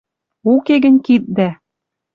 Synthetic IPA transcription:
ukeɡɘ̆nʲkit̪̚d̪æ

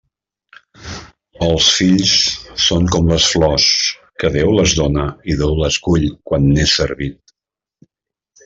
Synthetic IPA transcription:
əlˠsfiʎsːoŋkɔmləsflɔskəðewləzðonəiðewləskuʎkwanːesəɾβit̪

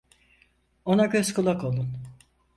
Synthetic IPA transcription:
o̞naɟøskʰulˠakolˠun

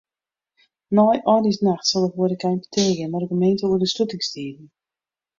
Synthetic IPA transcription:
nɔjʔɔdisnaxtsɔlˠdəʋoəɾəkɛjnpə̥tʰerɡɪnarəɡəmejntəuərdəstutɪŋstiːdn̩

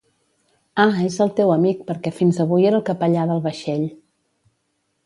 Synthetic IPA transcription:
aezəlˠt̪ewəmik̚pəɾkɛfinzəβ̞ujeɾəlˠkəpəʎaðəlˠβəʃeʎ

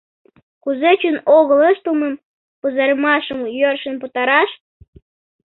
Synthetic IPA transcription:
kuzet͡ɕynoɣələʃt̪əlməm | puzɑɾəmɑʃəmjørʃə̆nput̪ɑɾɑʃ

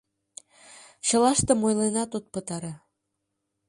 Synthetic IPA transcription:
ɕɤ̆lɑʃt̪əmojlenɑt̪ut̪̚pət̪ɑɾɑ

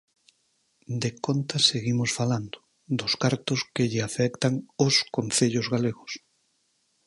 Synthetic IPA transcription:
d̪ekont̪aseɣimʊsfaland̪ʊ̥ | d̪ʊskaɾt̪ʊskɪʎɪafɛkt̪aŋʊskon̟θeʎʊzɣaleɣʊs

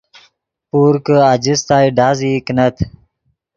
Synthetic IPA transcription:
puːɾkəad͡ʑist̪aːjɖaːziknət̪ʰ

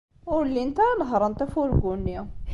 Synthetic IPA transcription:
wlːint̪ænɦɾˤɑnt̪ˤɑfulɡunːja

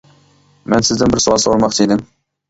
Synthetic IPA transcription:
mɛnsɪzd̪ɪnbɪɾsuɑlˠsoɾmɑqt͡ʃ̪ʰed̪ɪm

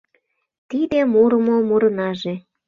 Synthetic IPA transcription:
t̪id̪emuɾəmomuɾə̆nɑʒe

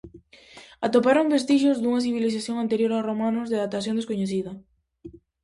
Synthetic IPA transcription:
at̪opaɾombest̪iʃozd̪uŋɐθ̬iβ̞iliθaθjoŋant̪eɾjoɾaromanʊzðeðat̪aθjõnd̪eskoɲeθiðɐ

